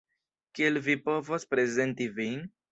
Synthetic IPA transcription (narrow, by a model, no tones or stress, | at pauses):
kielvipo̞vo̞spɾe̞ze̞ntivin